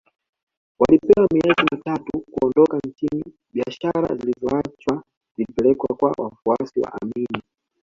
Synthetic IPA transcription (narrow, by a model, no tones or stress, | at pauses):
walipɛwamiɛzimitatukuɔndɔkan̩t͡ʃini | ɓiaʃaɾa̰zilizɔat͡ʃwa | zilipɛlɛkwa̰kwa̰wʔa̰fuasiwa̰ʔamiːni